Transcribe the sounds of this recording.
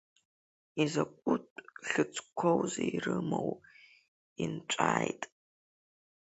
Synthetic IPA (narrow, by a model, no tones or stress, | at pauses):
izakʷʼʊtʼɬɨt͡sʰʼkʷʰowzeirɨmow | int͡ʃʷʼaːjtʼ